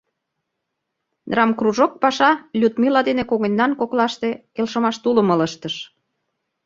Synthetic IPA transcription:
d̪rɑmkruʒok̚pɑʃɑlʲut̪milɑd̪enekoɣənʲːɑnkoklɑʃt̪ekelʃə̆mɑʃt̪ulə̆mɤ̆ləʃt̪əʃ

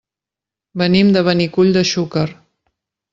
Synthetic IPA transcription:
bənimd̪əβənikuʎd̪əʃukər

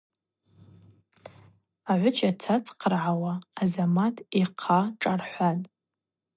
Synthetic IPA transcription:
aʕʷʊt͡ʃʰʼat͡sʰat͡sʼqʰərʕawaːzamatʼiqʰaʈ͡ʂʼarħʷanʼ

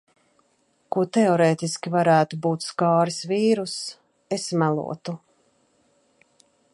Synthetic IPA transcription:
kuɔt̪ɛɔɾeːt̪iskʲivaɾæːt̪ubuːt̪skaːɾisviːɾus | esmælˠṵɔt̪u

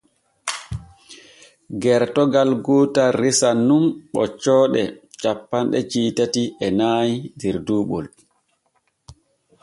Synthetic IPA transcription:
ɡɛɾtɔɡalɡuːtarisanːumɓɔ̰t͡ʃːɔːɗɛt͡ʃapːanɗɛt͡ʃiːtatiɛnaːjidiɾduːɓɔ̰l

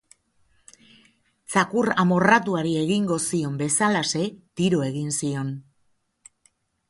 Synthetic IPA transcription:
t͡sakuramo̞rat̪uaɾie̞ɣiŋɡo̞sio̞mbe̞salase̞t̪iɾo̞e̞ɣinsio̞n

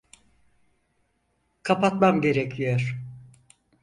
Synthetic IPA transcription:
kʰapat̪mamɟe̞ɾecʰyjøɾ

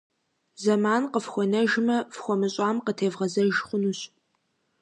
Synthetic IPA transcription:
zɐmaːnqəfxʷɔnɐʒmɐfxʷɔmɨɕʼɑːmqətʰeːvʁɐzɐʒχʷʊnuːɕ

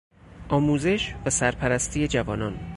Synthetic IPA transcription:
ʔɒːmuːze̞ʃvæsæɾpʰæɾæst̪ʰiːje̞d͡ʒævɒːnɒːn

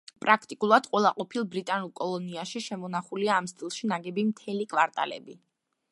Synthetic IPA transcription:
pʼɾakʰt̪ʼikʼulˠad̪̥qʼwɛlˠaqʼɔpʰilˠbɾit̪ʼanulˠkʼɔlˠɔniaʃiʃɛmɔnaχuliaːmst̪ʼilˠʃinaɡɛbimt̪ʰɛlikʼwaɾt̪ʼa̰lɛ̰bi

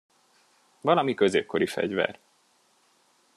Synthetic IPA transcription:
vɒlɒmikøzeːp̚ko̞ɾifɛ̰ɟvɛ̰r

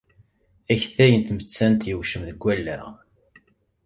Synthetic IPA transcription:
æçθæjənt̪mət͡sːænt̪jəwʃəmðəɡʷːælːæ̰ʁ

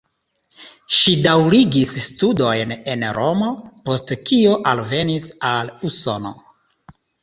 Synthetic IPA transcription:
ʃidawɾiɡisːtudo̞jne̞nɾo̞mo̞po̞stkio̞ʔalve̞nisaluso̞no̞̰

